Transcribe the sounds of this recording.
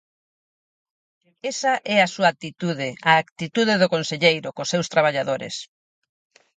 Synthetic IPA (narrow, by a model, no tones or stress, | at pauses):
esaʔɛasuak̚t̪it̪uðeaːkt̪it̪uðeðokonseʎejɾokosewst̪ɾaβ̞aʎaðoɾḛs